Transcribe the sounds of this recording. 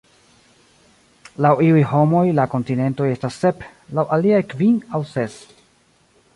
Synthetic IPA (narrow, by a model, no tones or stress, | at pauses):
lawiujho̞mo̞jlako̞ntine̞nto̞je̞stasːe̞plawʔaliajkvinawse̞s